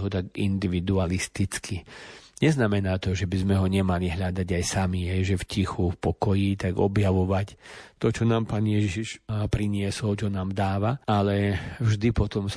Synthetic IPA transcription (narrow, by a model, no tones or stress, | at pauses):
ɦɔt̪aɡind̪iʋid̪ualist̪it͡skʰiɲɛznamɛnaːt̪ɔʒɛbizmɛɦɔɲɛmaliɦʎad̪aɟajsamiɦɛjʒɛfcixufpɔkɔjit̪aɡɔ̰bjaʋɔʋact̪ɔt͡ʃɔnaːmpaːnjɛʒʒiʃpɾiɲɪɛsɔlt͡ʃɔnaːmd̪aːʋaalɛvʒd̪ipɔt̪ɔms